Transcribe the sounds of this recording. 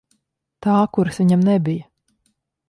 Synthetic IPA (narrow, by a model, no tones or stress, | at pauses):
t̪aːkuɾsʋiɲamnɛbija